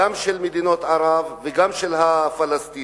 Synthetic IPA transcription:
amʃelmed̪ino̞t̪ʕaʁavːeɡamʃelɦafalast̪i

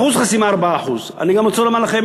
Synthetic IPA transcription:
uzχasimaːʁbaaːħuz | a̰niɡamot͡solomanlaχem

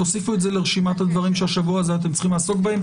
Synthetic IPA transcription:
osifuetzeleʁeʃimat̪had̪vaʁimʃeaʃavuazeat̪̬emt͡sḁχimlaːso̞kbahe̞m

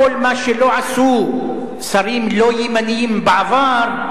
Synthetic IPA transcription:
olmaʃeloʕasu | saɾiːmlojimanjiːmbɪʕavɑːɾˤ

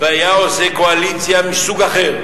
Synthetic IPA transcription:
veajaosekoalit͡sjamisuɡaχeʁ

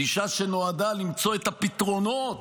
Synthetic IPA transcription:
iʃaʃe̞no̞ad̪alimt͡so̞et̪apit̪ʁo̞not

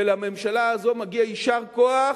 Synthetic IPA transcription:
elame̞mʃalaːzo̞maɡiaiʃaʁkoaχ

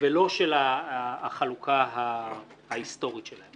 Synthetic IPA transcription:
velo̞ʃelaχalukʰaɦa | haist̪o̞ʁit̪ʃelahem

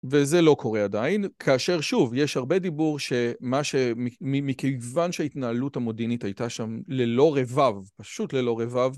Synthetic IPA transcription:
ve̞ze̞lo̞kʰo̞ʁeadainkʰaːʃe̞ʁʃuvjeʃhaʁbe̞dibuʁʃe̞maʃemimimikejvanʃeaitnaːluthamodinitajtaʃamle̞lo̞ʁe̞vavpaʃutle̞lo̞ʁevav

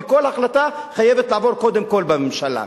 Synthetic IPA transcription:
ko̞lhaχlat̪aχajevet̪laːvo̞ʁko̞d̪emko̞lbememʃala̰

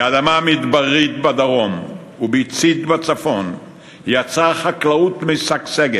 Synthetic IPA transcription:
ad̪amamit̪baʁit̪bad̪aʁo̞m | ubit͡sit̪bat͡safo̞n | jat͡saχaklaut̪misakseɡe

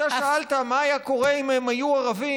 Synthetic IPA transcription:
aʃaalt̪amaːjako̞ʁe̞imemajuaʁavi

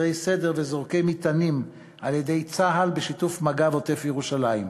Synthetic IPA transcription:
ʁejse̞deʁvezoʁke̞jmit̪anim | alje̞d̪e̞jt͡saɦalbeʃitufmaɡavot̪efjeʁuʃalajim

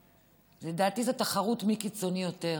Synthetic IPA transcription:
ledaːtizotaχaʁutmikit͡so̞nijo̞te̞

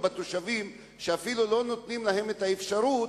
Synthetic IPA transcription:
bat̪oʃavim | ʃeafilulo̞no̞t̪nimlaɦe̞met̪aefʃaɾu

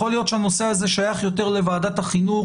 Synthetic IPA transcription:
olijo̞t̪ʃeano̞se̞haze̞ʃajaχjo̞t̪e̞ʁlevaːdat̪haχinu

